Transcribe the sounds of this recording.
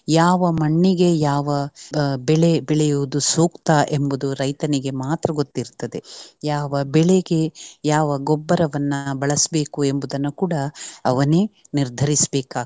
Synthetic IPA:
jaːʋɐmɐɳːiɡe̞jaːʋɐbɛɭebɛɭɛjuʋud̪usuːkt̪ɐʔembud̪uɾɐjt̪ɐniɡemaːt̪ɾɐɡo̞t̪ːiɾt̪ːɐd̪e̞jaːʋɐbɛɭeɡe̞jaːʋɐɡɔbːɐɾɐʋɐnːɐbɐɭɐsbe̞ːkue̞mbud̪ɐnːukuːɽɐɐʋɐneniɾd̪ʱɐɾisbeːkaː

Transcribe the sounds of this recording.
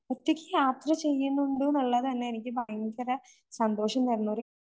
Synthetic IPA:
pɐt̪ːikʲːɨjaːt̪rɐt͡ɕe̞jːuɳːuɳɖunɐɭːɐðɨt̪ɐnːeenikʲːɨbʱɐjiŋɡɐɾɐ | sɐnd̪o̞ːʂɐmneɾnːuʋɾi

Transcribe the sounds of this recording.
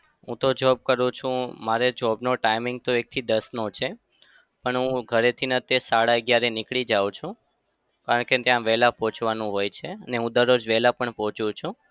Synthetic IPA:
ɦṵ̃t̪od͡ʒɔb̚kəɾũt͡ʃʰũmaɾed͡ʒɔbnoʈaimɪŋɡ̚t̪oek̚t̪ʰid̪əsnot͡ʃʰe | pəɳɦũɡʱəɾet̪ʰinət̪esaɽaəɡjaɾenɪkɭid͡ʒaʋw̃t͡ʃʰũ | kaɾəɳket̪jãʋɛɦlapɔ̃t͡ʃʋanũɦojt͡ʃʰeəneɦũd̪əɾod͡ʒʋɛɦlapəɳpɔt͡ʃũt͡ʃʰũ

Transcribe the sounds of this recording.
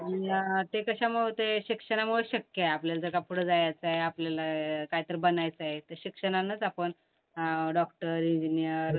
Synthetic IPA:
ait̪ekəɕaməɦot̪eɕikʂəɽ̃amuɭeɕəkjəapljald͡zəkapʰuɽəd͡zajat͡saɦeapljalakaɦit̪əɾbənajt͡saɦet̪əɾɕikʂəɽ̃anət͡sapəɳ | ɖɔkʈəɾiɲd͡ʑinijəɾ

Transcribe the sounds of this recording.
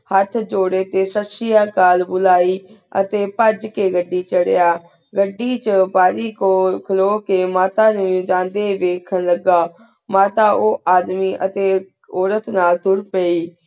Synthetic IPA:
hət̪ʰd͡ʒoːɽeːt̪eːsəsɪjaːkaːlbʊlaːiː | ə̰t̪eːpəd͡ʒkeːɡəɖːiːt͡ʃəɽ̰jaː | ɡəɖːiːt͡ʃəbaːɾiːkoːkʰəloːkeːmaːt̪aːnũːd͡ʒãːnd̪eːʋeːkʰənləɡaː | maːt̪aːʔoːʔaːd̪miːʔət̪eː | oːɾət̪naːld̪ʊɾpəːiː

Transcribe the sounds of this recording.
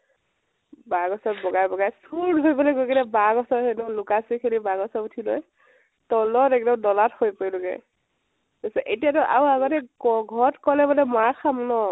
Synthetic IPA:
baɡɔsɔtbɔɡajbɔɡajsudɦojbɔlojɡojkilɛbaɡɔsɔɹhenɔlʊkasikʰelibaɡɔsɔutʰilɔ̰j | tɔlɔtɛk̚dɔmdɔlathojpojlɔɡɛ̰ | ɡosɛʔetijatɔʔa̰waɡɔtɛɡɔɡʱɔtkɔlɛbɔlɛmaɹxamɔnɔ

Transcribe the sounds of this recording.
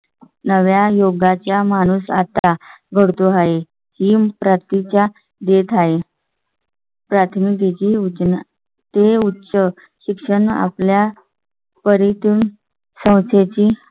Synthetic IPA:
nəʋjajoɡat͡ɕjamaɽ̃uːsat̪aɡʱəɽt̪oɦaɦe | hipɾat̪t̪it͡ɕa | d̪et̪ʰaɦe | pɾat̪ʰmiket͡ɕiut͡ɕna | t̪eutːɕə | ɕikʂəɳa̰plja | pəɾit̪un | sə̃w̃t͡sʰet͡ɕi

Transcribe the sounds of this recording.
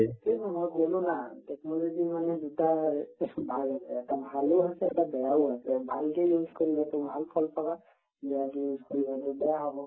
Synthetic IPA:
etemɔjɡolũnatɛknɔlɔd͡ʒimanɛd̪uta | bʱalasɛːtabʱaluɦasɛːtabɛjauasɛbʱalkejjuzkoɹibɛt̪ɔbʱalpʰɔlpaba | bɛjakjuzʱkɔɹibɔt̪ɔbɛjaɦɔbɔ

